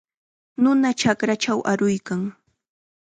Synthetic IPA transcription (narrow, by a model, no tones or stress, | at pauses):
nʊnat͡ʃakɾat͡ʃawʔaɾʊjkaŋ